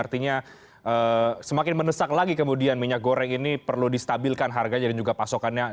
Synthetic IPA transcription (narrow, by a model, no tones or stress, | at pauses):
art̪iɲa | ʔəsəmakɪnmənəsaklaɡikəmudianmiɲak̚ɡoɾɛŋinipərludist̪abilkanɦarɡad͡ʒadand͡ʒuɡapasokanja